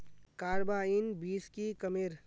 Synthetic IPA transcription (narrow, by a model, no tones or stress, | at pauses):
kaːɾbaːinbiːskikɐmɪɾ